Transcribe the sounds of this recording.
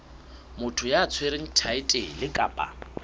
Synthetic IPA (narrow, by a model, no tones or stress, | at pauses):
mʊtʰʊjaːt͡sʰweɾɪŋ̩tʰaɪtʼelɪkʼa̰ːpʼa̰